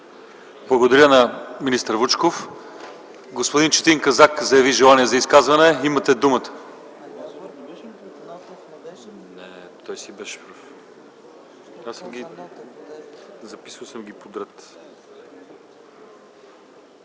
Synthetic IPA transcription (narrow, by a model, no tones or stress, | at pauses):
blˠɐɡod̪ɐɾʲənɐminist̪əɾvut͡ʃkof | ɡospod̪int͡ʃɛ̥t̪iŋkɐzakzɐjɐviʒɛlˠaniɛzɐiskazvɐnɛimət̪ɛd̪umət̪ə̥ | nɛt̪ɔjsibɛʃɛ̥pɾəf | asəmɡʲi | zɐpi̥səlˠsəmɡʲipod̪ɾɛt̪